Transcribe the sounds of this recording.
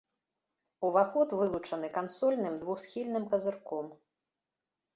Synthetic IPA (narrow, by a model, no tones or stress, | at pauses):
uvaxɔt̪vɨlˠut͡ʂɐn̪ɨkansɔlʲnɨmd̪vuxsxʲilʲnɨmkɐzɨrkɔm